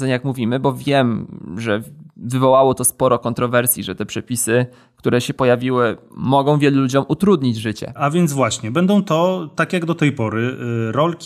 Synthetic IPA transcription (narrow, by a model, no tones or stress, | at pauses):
ɛɲjakmuvʲimɘbɔvʲjɛmʐɛvɘvɔwawɔt̪ɔspɔɾɔkɔnt̪ɾɔvɛɾsʲjḭʐɛt̪ɛpʂɛpʲisɘ | kt̪uɾɛɕɛpɔjavʲiwɘmɔɡɔ̃w̃vʲjɛlulud͡ʑɔmʔut̪ɾud̪ɲid͡ʑʐɘt͡ɕɛ̰avʲjɛnzvwaɕɲɛbɛnd̪ɔ̃w̃t̪ɔt̪akʲjaɡd̪ɔt̪ɛjpɔɾɘɾɔlkʲi